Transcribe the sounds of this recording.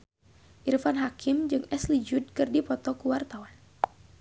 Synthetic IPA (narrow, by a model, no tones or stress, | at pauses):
ʔirfanɦakimd͡ʒɨŋɛslid͡ʒud̚kɨrdipɔt̪ɔkuwart̪awan